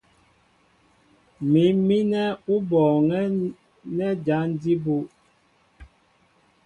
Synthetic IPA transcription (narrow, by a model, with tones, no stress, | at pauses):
mi˨˦mi˦nɛ˦u˦bɔː˨ŋɛ˦ | nɛ˦d͡ʒa˨˦n˦di˦bu˦